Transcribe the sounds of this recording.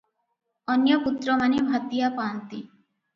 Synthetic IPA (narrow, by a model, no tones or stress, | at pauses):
ɔnjɔput̪ɾɔmanebʱat̪ijapaːnt̪i